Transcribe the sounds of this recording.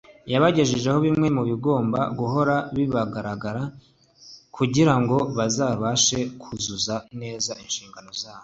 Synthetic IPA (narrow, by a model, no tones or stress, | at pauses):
jaβaɟe̞ʒeʒe̞ho̞βimŋe̞muβiɡo̞ːmba̰ɡuɦo̞ɾaβiβaɡaɾaɡaɾa | kʰuɟiɾaŋɡo̞βazaβaʃe̞kʰuzuzane̞ːzaʔinʃiːŋɡano̞zaːβo